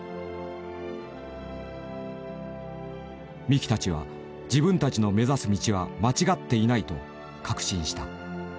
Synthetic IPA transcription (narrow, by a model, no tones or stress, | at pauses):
mʲikʲi̥t̪at͡ɕiβ̞a̰ | d͡ʑibɯ̟̃nt̪at͡ɕino̞me̞zasɨmʲit͡ɕiβamat͡ɕiɡat̪ːe̞inait̪o̞̰ | kʰakɯ̟̥ɕĩɰ̃ɕi̥t̪a